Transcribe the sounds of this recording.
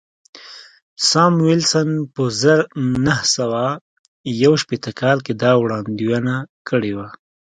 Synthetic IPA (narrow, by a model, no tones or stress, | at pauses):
sɑmwɪlsənpəzəɾnahsawa | jawʃpet̪əkɑlked̪ɑwɽɑnd̪iwanakʰəɽewa